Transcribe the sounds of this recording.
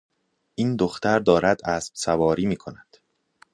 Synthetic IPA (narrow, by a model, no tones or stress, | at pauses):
ʔiːnd̪oxt̪æɾd̪ɒːɾæd̪æsb̥sævɒːɾiːmiːkʰonæd̪̥